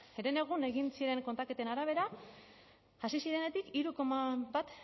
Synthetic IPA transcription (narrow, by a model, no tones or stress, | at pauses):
eɾene̞ɣ̞une̞ɣinsiɾe̞ŋkont̪ake̞t̪enaɾaβ̞e̞ɾa | ʝasisiɾe̞ne̞t̪ikiɾuko̞maβat̪